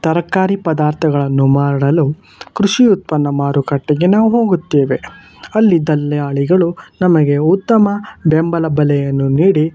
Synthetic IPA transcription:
t̪ɐɾɐkːaːɾipɐd̪aːɾt̪ʰɐɡɐɭɐnːumaːɾɽɐlu | kɾuʂiut̪̚pɐnːɐmaːɾukɐʈːɐɡenaːʋuɦo̞ːɡut̪ːeːʋe̞ | ɐlːid̪ɐlːɛjaːɭiɡɐɭunɐmɐɡe̞ut̪ːɐmɐbembɐlɐbɐlɛjɐnːuniːɽi

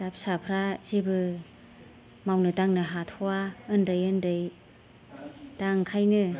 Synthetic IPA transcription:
d̥ap̚sapʰɾaz̥ibɯ | mawnɯdaŋnɯɦatʰowaɯndɯjɯndɯj | d̥aŋkʰajnɯ

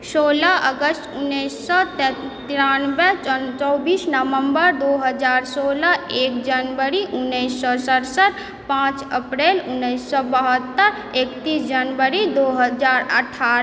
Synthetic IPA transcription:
soːlaʔəɡəsʈʊnːəsːɔt̪ | t̪iɾanbɛt͡ʃɔbiːsnəʋə̃mbəɾd̪oɦəd͡ʒaːɾsoːlaekd͡ʒənʋəɾiʔʊnːəsːɔsəɾsəɾ | pãt͡ʃəpɾeːlʊnːəsːɔbəɦət̪ːəɾ | ekt̪iːsd͡ʒənʋəɾid̪oːɦəd͡ʒaːɾəʈʰːaːɾ

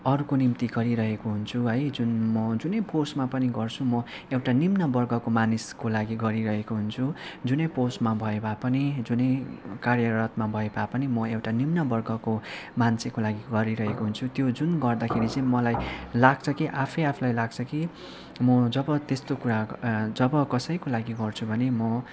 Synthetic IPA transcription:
ʌɾukonimt̪iɡʌɾiɾʌɦekoɦunt͡sʰuɦʌjd͡zunmʌd͡zunʌjposmapʌniɡʌrt͡sʰumʌ | ewʈanimnʌbʌrɡʌkomaniskolaɡiɡʌɾiɾʌɦekoɦunt͡sʰud͡zunʌjposmabʱʌebapʌnid͡zunʌjkarjʌɾʌt̪mabʱʌebapʌnimʌewʈanimnʌbʌrɡʌkomansʰekolaɡiɡʌɾiɾʌɦekoɦunt͡sʰut̪jod͡zunɡʌrd̪akʰeɾit͡sʌ̃ĩmʌlajlaɡt͡sʰʌkiʔapʰʌjapʰulajlaɡt͡sʰʌki | mʌd͡zʌbʌt̪est̪okuɾad͡zʌbʌkʌsʌjkolaɡiɡʌrt͡sʰubʱʌnemʌ

